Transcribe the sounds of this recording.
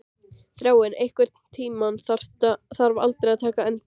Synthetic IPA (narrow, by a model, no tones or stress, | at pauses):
θɾjaːwɪnejhkvɛɾ̥t̪nt̪ʰiːmanθar̥t̪aθaɾva̰lt̪ɾɪaðt̪ʰaːkaɛnt̪